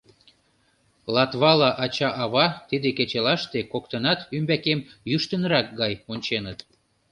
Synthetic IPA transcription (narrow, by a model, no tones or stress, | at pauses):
lɑt̪βɑlɑʔɑt͡ɕɑʔɑβɑt̪id̪eket͡ɕelɑʃt̪ekok̚t̪ənɑt̪ymbækemjyʃt̪ənɾɑk̚ɡɑjonʲt͡ɕenət̪